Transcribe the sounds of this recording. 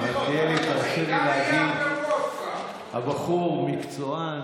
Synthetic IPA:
etieliit̪anʃevelehaɡid̪ | ha̰baχuʁmikt͡soa

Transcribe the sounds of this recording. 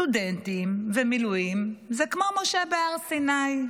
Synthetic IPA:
udent̪imvemiluimzekmomoʃebeaʁsinaj

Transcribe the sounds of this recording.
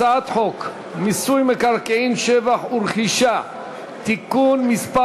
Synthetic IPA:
aat̪ħok | misujmekaɾkeimʃevaχuɾχiʃa | t̪ikunmispa

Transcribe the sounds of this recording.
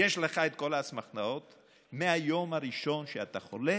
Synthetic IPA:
jeʃleχaet̪ko̞lasmaχnao̞t̪ | meajomhaɾiʃo̞nʃeat̪aχo̞le

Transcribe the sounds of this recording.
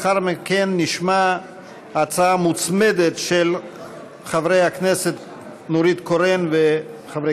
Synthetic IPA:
χaɾmikenːiʃma | at͡saamut͡smedetʃel | χavɾejakneset̪ | noɾit̪koɾenveχavɾe

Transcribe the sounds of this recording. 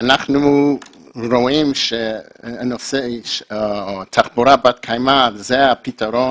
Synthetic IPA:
anaχnuu | ɾoimʃɛanɔsɛʃ | tʰaχbuɾabat̚kʰajmatzɛapitʰaɾɔ

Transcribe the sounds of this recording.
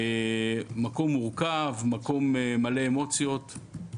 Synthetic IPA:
mako̞mːuʁkavmako̞memale̞ːmo̞t͡sjo̞t̪

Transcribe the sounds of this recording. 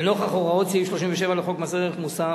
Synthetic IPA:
noχaχoʁaot̪siifʃlo̞ʃimveʃevaleχo̞kmaseʁeχmusa

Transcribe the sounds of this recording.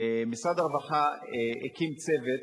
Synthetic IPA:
emisʁad̪aʁvaχaekimt͡sevet̪

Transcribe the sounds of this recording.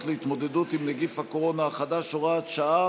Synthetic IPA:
tleit̪mo̞d̪e̞dut̪imneɡifhako̞ʁo̞naːχadaʃoʁaːt̪ʃaa

